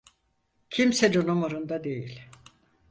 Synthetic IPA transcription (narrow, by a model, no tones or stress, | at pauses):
cʰimsɛdunumoɾund̪ad̪e̞jilʲ